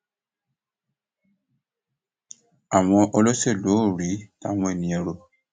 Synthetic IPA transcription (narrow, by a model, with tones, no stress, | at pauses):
a˨w̃ɔ̃˧ʔɔ˧lo˦se˦˨lo˨˦o˦˨ɾi˨˦ta˦˨w̃ɔ̃˧˦e˦˨nĩ˨ɛ̃˧˨ɾo˧